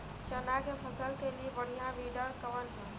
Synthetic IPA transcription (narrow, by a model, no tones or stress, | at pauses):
t͡ʃənakepʰəsəlkelibəɽ̤ijãʋiɖəɾkəʋənɦẽ